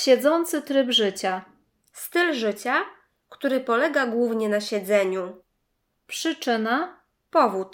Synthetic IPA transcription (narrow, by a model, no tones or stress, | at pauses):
ɕɛd̪zɔnt̪sɘt̪ɾɘbʐɘt͡ɕa | st̪ɘlʐɘt͡ɕa | kt̪uɾɘpɔlɛɡaɡwuvɲɛnaɕɛd̪zɛɲu | pʂɘt͡ʂɘna | pɔvut̪